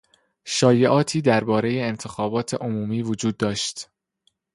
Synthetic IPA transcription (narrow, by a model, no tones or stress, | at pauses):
ʃɒːje̞ʔɒːt̪ʰiːd̪æɾbɒːɾe̞je̞ent̪ʰe̞xɒːbɒːt̪ʰe̞ʔomuːmiːvod͡ʒuːd̪̚ːɒːʃt̪